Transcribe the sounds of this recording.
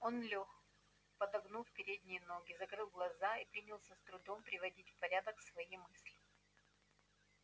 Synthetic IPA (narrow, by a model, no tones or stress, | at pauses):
o̞nlʲox | pɐd̪ɐɡnulˠfpʲɪɾʲed̪ʲnʲɪjəno̞ɡʲɪzɐkɾɨlˠɡlˠɐzaipɾʲinʲɪlˠsʲəst̪ɾʊd̪o̞mpɾʲɪvɐdʲitʲfpɐɾʲad̪əksvɐjimɨsʲlʲɪ